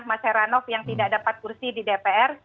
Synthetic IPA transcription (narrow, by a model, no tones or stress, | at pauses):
hmasɛɾanɔfjaŋt̪idaʔdapat̪̚kursididepeʔɛr